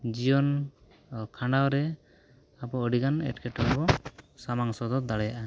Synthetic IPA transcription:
d͡ʒijɔn | kʰãɳɖawɾɛ | apɔəɖiɡanɛ̰ʈkɛʈɔŋbɔsamaŋsɔd̪ɔd̪aɽɛjaʔa

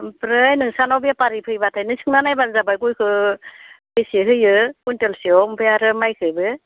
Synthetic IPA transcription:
pɾɯjnɯŋsanɔwbiapaɾipʰɯjbatʰajnɯsʰɯŋnanajbanzabajɡujkʰɯ | besiɦɯjɯkuntɔlsiɔmbɯjaɾɯmajkʰɯbɯ

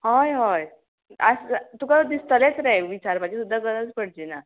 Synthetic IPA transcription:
hojɦoj | ast̪ukad̪ist̪ʰəlet͡sɾɛʋit͡ɕaɾpad͡ʑisud̪ʱːaɡənət͡spəɽd͡ʑina

